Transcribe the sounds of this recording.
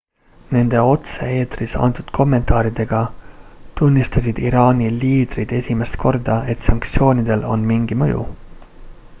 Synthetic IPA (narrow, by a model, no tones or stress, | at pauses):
ne̞nd̪̥e̞o̞t̪see̞ːt̪risɑ̰nt̪ud̪̥kʰo̞mːe̞nt̪ˑɑːɾid̪̥e̞ɡ̥ɑt̪unʲːist̪ɑsid̪̥iɾɑːnʲiliːd̪rid̪̥e̞sʲime̞st̪kʰo̞rd̪̥ɑe̞t̪ˑsɑŋkt̪sio̞ːnʲid̪̥e̞lo̞̰nmiŋɡ̥imɤjṵ